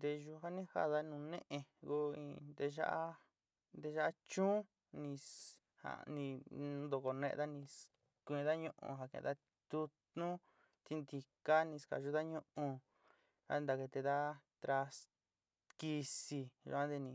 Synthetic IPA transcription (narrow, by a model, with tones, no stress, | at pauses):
d̪e˧ʒu˧ɦa˦nĩ˦ha̰˦ða˧nũ˧nḛ̃˦ʔẽ˧ɡu˧ḭ̃˧d̪e˧ʒa̰˦ʔa˦ | nd̪e˧ʒa˦ʔa˦t͡ʃũː˦ | nĩ˧ | ha̰˨˧nĩ˧˦d̪o˧ko˧nḛ̃˧ʔða˦nĩ˧ | kʷĩ˧ða˦ɲũ˧ʔṵ̃˧ɦa˧˨kḛ̃˧˨˧ða˦ | t̪u˧t̪nũ˦ | t̪i˧nd̪i˧ka˦nĩ˧ska̰˨ʒu˧ða˦ɲũ˦ʔũ˧ | a̰˦˧nd̪a˧ke˧t̪e˧ða˦t̪ɾa˧s | ki˧si˧ʒa˧˦ã˦d̪e˧nĩ˧